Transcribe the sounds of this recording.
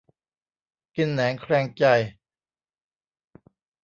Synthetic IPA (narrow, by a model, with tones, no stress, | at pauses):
ki˧nːɛː˩˦ŋkʰɾɛː˧˩ŋt͡ɕa˧j